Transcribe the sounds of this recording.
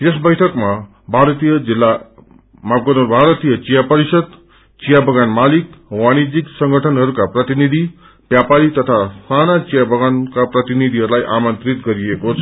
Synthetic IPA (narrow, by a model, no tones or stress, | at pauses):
jesbʌjʈʰʌkma | bʱaɾʌt̪ijʌd͡zilːa | mabɡʌnorbʱaɾʌt̪ijʌt͡sijapʌɾisʌd̪ | t͡sijabʱʌɡanmalikwaɽ̃id͡ziksʌŋɡʌʈʰʌnɦʌɾukaprʌt̪inid̪ʱi | bjapaɾit̪ʌt̪ʰassanat͡sijabʱʌɡankaprʌt̪inid̪ʱiɦʌɾulajʔamʌnt̪rit̪ɡʌɾiekot͡sʰʌ